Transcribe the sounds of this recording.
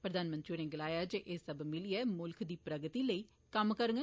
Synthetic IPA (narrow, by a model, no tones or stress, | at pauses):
pɾəd̪aːnmənt̪ɾiuːneːɡɪlaːjaːd͡ʒeʔeːsəbmɪliːɛːmʊlkʰd̪iːpɾəɡət̪iːləiː | kəmkəɾəŋɡə